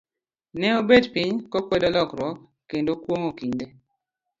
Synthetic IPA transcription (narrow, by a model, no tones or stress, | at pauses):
nɛobedpiɲkɔkwɛdɔlɔkɾwɔkː | kːendokwoŋokiɲde